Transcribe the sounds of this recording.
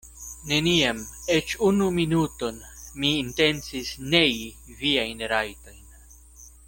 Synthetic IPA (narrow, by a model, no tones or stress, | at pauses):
ne̞niamet͡ʃunuminuto̞nmiːnte̞nt͡sisne̞ji | viajnɾajto̞jn